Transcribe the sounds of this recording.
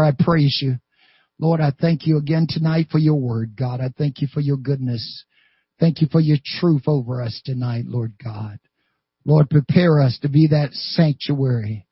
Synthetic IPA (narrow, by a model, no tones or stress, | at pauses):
ɹaɪpʰɹ̥eɪzjɨ | lɔɹɾaɪθæ̃ŋkʰjɨəɡɛ̃ntʰɨnaɪtfə˞jə˞wɜ˞d̚ɡɑɾaɪθæ̃ŋkʰjɨfə˞jə˞ɡʊdⁿnɨs | θæ̃ŋkjɨfə˞jə˞tʰɹ̥ʉθoʊvə˞ʌstʰɨnaɪtˡlɔɹd̚ɡɑd̥̚ | lɔɹd̚pʰɹ̥ipʰɛɹʌstʰɨbiðɨtsæ̃ŋk̚t͡ʃuɛɹi